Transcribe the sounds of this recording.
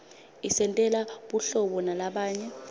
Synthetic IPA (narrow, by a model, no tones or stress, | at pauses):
isɛntʼɛlaɓuɬɔɓɔnalaɓaːɲɛ